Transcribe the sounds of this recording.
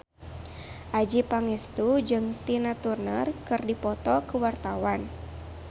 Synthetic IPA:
ʔad͡ʒipaŋɛst̪ud͡ʒɨŋt̪inat̪urnərkɨrdipɔt̪ɔkuwart̪awan

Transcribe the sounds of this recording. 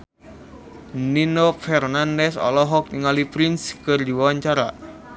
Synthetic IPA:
ninɔfɛrnandɛsɔ̰lɔɦɔk̚niŋalipɾinskɨrdiwawaɲt͡ʃaɾa̰

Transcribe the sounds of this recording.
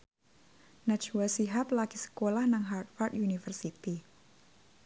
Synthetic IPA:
nat͡ʃuasiɦaplakisə̥kolahnaŋɦart̪̚fart̪junifərsit̪i

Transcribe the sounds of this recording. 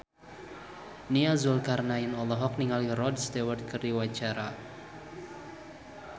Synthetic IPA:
niazʊlkarnajɪnɔlɔɦɔk̚niŋalirɔdst̪ewərd̪̚kəriwat͡ʃaɾa

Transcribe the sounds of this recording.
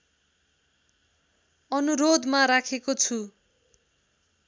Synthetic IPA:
ʌnuɾod̪maɾakʰekot͡sʰu

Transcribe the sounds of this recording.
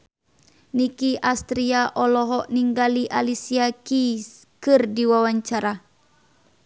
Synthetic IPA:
nikiʔast̪ɾiaʔɔlɔɦɔʔniŋɡaliʔalisiakis | kɨrdiwawaɲt͡ʃaɾa

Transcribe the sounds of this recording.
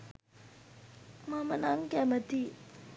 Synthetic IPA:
mamənaŋkɛmət̪i

